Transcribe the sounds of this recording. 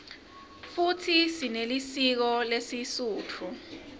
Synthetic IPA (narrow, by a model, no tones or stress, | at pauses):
futʰisinelisik̬ɔlesisuːtʰu